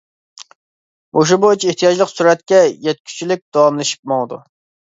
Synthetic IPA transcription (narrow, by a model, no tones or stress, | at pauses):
oʃ̬ubot͡ʃʰieht̪ʰijɑd͡ʒlˠəqsuɾɛt̪̚kʲɛjɛt̪̚kʲʰy̥t͡ʃʰilɪk̚ʲd̪̥ɑwɑmlˠɨʃi̥p̚mɑd̪ṵ